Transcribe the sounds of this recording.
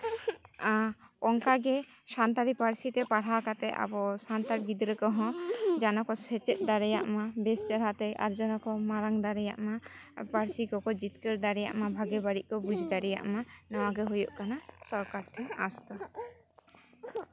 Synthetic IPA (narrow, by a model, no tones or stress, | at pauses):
aɔŋkaɡɛ | sant̪aɾipaɾsit̪ɛpaɽ̤akat̪ɛʔa̰bɔsant̪aɾɡid̪ɾəkɔɦɔ̃d͡ʒanɔkɔsɛt͡ʃɛt̪̚ˀd̪aɾɛja̰ʔmabɛst͡ʃaɾat̪ɛʔa̰ɾd͡ʒɔnɔkɔmaɾaŋd̪aɾɛja̰ʔmapaɾsikɔkɔd͡ʒit̪kəɾd̪aɾɛja̰ʔmabʱaɡɛbaɽiʔ̚kɔbud͡ʒʱd̪aɾɛja̰ʔmanɔwaɡɛɦujɔʔkanasɔɾkaɾt̪ʰɛast̪ɔ